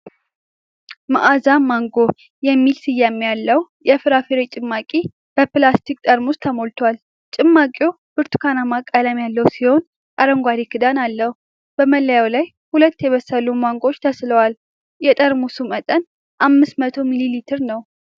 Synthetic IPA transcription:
maʔazamaŋɡo | jɛmːilsɨjːamjalːəw | jɛfɨɾafeɾet͡ʃʼɨmːakʼi | b̥əpɨlast̪ʰik̚ʼt̪ʼəɾmust̪ʰəmo̞lt̪ʰwal | t͡ʃʼɪmːakʼo | b̥ɨɾt̪ʰu̥kʰanamakʼːəlamjalːəwsiho̞n | kʼaɾəŋɡʷaɾikɨd̪analːəhu | b̥əməlːəjawlaj | hulət̪ːjɛβəsːəlumaŋɡo̞t͡ʃːt̪ʰəsləwal | jɛt̪ʼəɾmusumət̪ʼən | ʔamːɨsmət̪ʰo̞mililit̪ʰɨɾnəw

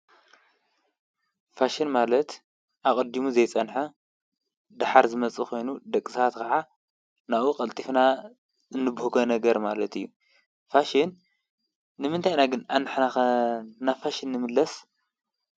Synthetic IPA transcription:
faʃinmalɐt̪ | ʔakʼɐd̪imuzɐjt͡sʼɐnħa | d̪aħaɾzɨmɐt͡sʼikʰo̞jnud̪ɐkʼːɨsat̪kʰɐʕa | naʔukʼɐlt̪ʼifna | ɨnːɨbhukʰɐnɐɡɐɾmalɐt̪ʰɨjːu | faʃinː | ɨmɨnt̪ʰajnaɡɨnanħna | nafaʃinːɨmɨlːɐs

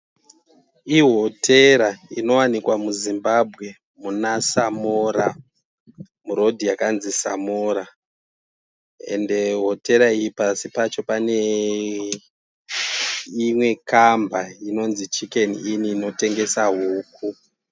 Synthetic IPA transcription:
iɦo̞tʰe̞ɾaino̞wanikwamuzimbabʱɣe̞ | munasamoɾa | muɾo̞dʱijakanzisa̰moːɾa | e̞̰nde̞ɦo̞te̞ɾaijipasipat͡ʃo̞pane̞ | imwe̞kambaino̞nzit͡ʃike̞niiniːno̞te̞ŋɡe̞saɦuːk̚u

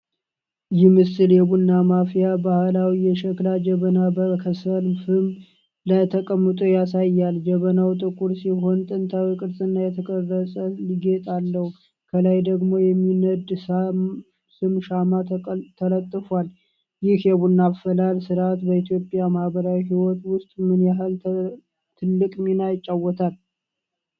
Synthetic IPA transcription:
jɪmɨsɨljɛbunːamafijabahɨlawijɛʃɛklad͡ʒɛβənabəkʰəsəlfɨm | lat̪ʰəkʼəmːət̪ʼujasajːald͡ʒɛβənawt̪ʼɨkʼuɾsiɦo̞nt̪ʼɨnt̪ʰawikʼɨɾsʼɨnːajɛt̪ʰəkʼərːəsʼəliɡet̪ʼalːəhu | kʰəlajd̪əɡmo̞jɛmːinəd̪ | sɨmʃamat̪ʰələt̪ʼːɨfwal | jɪhjɛβunːaβfəlalsɨɾat̪bəit̪ʰjo̞pʼjamahbəɾawiɦiwɔt̪wʊst̪ʼmɨnjaɦɨl | t̪ʰɨlːɨkʼminajɪt͡ʃʼːawːɔt̪ʰal

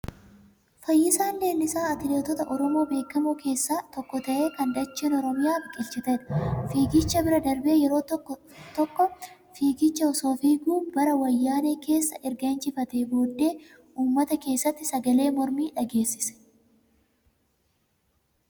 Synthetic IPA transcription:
fɐjːɪsaːnːeːnɪsaːɐt̪ɪleːt̪ɔt̪ɐʔɔɾɔmo̞ːbe̞ːkːɐmuːkʰe̞ːsːaːt̪ɔkːɔt̪ɐʔe̞ːkɐnd̪ɐt͡ʃːeːnɔɾɔmɪjaːfkʼɪlt͡ʃɪt̪ɛᶑɐ̥fiːɡɪt͡ʃːɐbɪɾɐd̪ɐɾbe̞ːjɛɾo̞ː | t̪ɔkːɔ | fiːɡɪt͡ʃːɐɔso̞ːfiːɡuːbɐɾɐwɐjːaːneːke̞ːsːɐʔɪɾɡɐnt͡ʃɪfɐt̪eːbo̞ːd̪ːe̞ː | ʔuːmːɐt̪ɐke̞ːsːɐt̪ːɪsɐɡɐle̞ːmɔɾmiːᶑɐɡe̞ːsːɪ̥sɛ̥

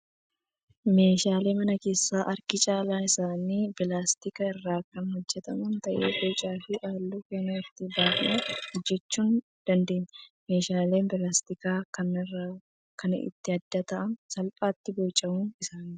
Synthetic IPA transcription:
me̞ːʃaːle̞ːmɐnɐke̞ːsːaːʔɐɾkɪt͡ʃʼaːlaːɪsaːniːbɪlaːst̪ɪkɐɪrːaːkːɐnhɔd͡ʒːɛt̪ɐmunt̪ɐʔeːbot͡ʃʼaːfɪʔaːlːuːkɛnːɐɪt̪ːɪbaːkneːd͡ʒːɛt͡ʃːuːn | d̪̥ɐnd̪e̞ːɲːɐme̞ːʃaːle̞ːnbɪlaːst̪ɪkaːkɐn | kɐn̰ɪ̰t̪ːɪɐd̪ːɐt̪ɐʔɐnsɐlpʼaːt̪ːɪboːt͡ʃʼːɐmuːnɪsaːniː

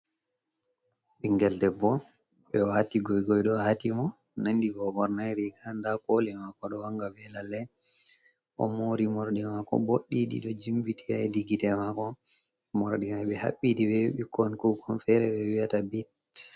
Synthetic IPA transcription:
ɓiŋɡɛldɛbːɔ | ɓɛwatiɡɔjɡɔjɗɔhatimɔ | nandivɔɡɔɾnajɾiɡandakolɛmakɔɗɔwaŋɡabɛlalːɛ | ʔɔ̰moɾimɔɾɗɛmakɔ̰boɗːiɗḭɗɔd͡ʒimbitʰia̰jdiɡitɛmakɔ | mɔɾɗimajɓɛha̰ɓːiɗiwɛɓikɔnkukʰɔnfɛɾɛwɛwiatabit

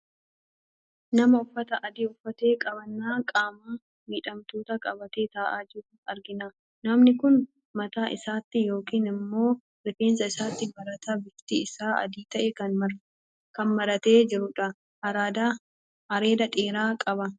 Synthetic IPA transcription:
nɐmɐʊfːɐt̪ɐʔɐd̪iːʊfːɐt̪e̞ːkʼɐbɐnːaːkʼaːmaː | miːᶑɐmt̪oːt̪ɐkʼɐbɐt̪eːt̪aːʔaːd͡ʒɪkʊnɐɾɡɪna | nɐmnɪkʊn | mɐt̪aːʔɪsaːt̪ːɪjo̞ːkiːnɪmːo̞ː | ɾɪfe̞ːnsɐɪsaːt̪ːɪbɐɾɐt̪ɐbɪft̪ɪɪsaːɐ̰d̪iːt̪ɐʔɛɐ | kɐnmɐɾɐt̪e̞ːd͡ʒɪɾʊᶑɐ | ɐɾaːd̪aː | ɐɾe̞ːd̪ɐᶑʼeːɾaːkʼɐbɐ

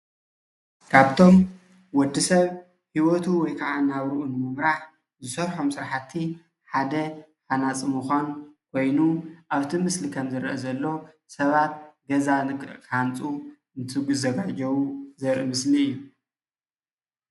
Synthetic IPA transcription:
kʰaβt̪ʰo̞m | wɔd̪ːisɐβ | hiwot̪ʰuwɔjkʰɐʕanaβɾuʔunɨmɨmɾaħ | zɨsɐɾħo̞msɨɾaħat̪ʰːi | ħad̪ɐħanat͡sʼimuxʷankʰo̞jnuʔaβt̪ʰimɨslikʰɐmzɨɾʔɐzɐlːo̞ | sɐβat̪̚ɡɐzanɨkʼkʰant͡sʼu | ɨnt̪ʰɨɡuzɐɡad͡ʒɐwuzɐɾʔɨmɨsliɨjːu

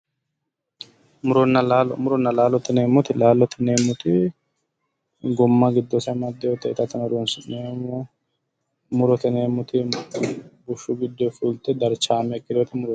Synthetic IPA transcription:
mʊɾɔnːɐlaːlmʊɾɔnːɐlaːlɔt̪ɪneːmːɔt̪ɪlaːlɔt̪ɪne̞ːmːʊt̪ɪ | ɡɔmːɐɡɪd̪ːɔsɐmɐd̪ːɛjot̪ːɛɪt̪ɐt̪ɐnɔɾunsneːmɔ | mʊɾɔt̪ɪneːmʊt̪ɪ | bʊʃːʊɡɪd̪ːɔjfuːlt̪ɛd̪ɐɾt͡ʃaːmɛkːɪd̪ot̪ɪmʊɾɔ

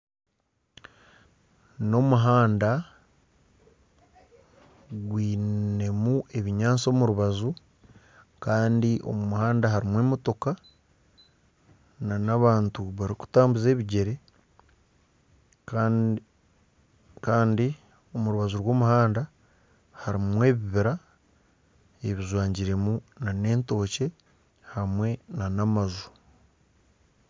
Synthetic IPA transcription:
no̞muɦaːnda | ɡwiːe̞mue̞βiɲaːnt͡so̞ːmuɾuβazu | kaːndiʔo̞̰mumuhaːndaɦaɾimweːmoto̞ka | nanaβaːntuβaɾiku̥taːmbuze̞ːβiɟe̞ɾe̞ | kaːndi | o̞muɾuβazuɾwo̞ːmuhaːnda | haɾimwe̞ːβiβiɾa | e̞βizwaːɲɟiɾe̞munane̞ːnto̞ːce̞ | hamwe̞nanamazu̥

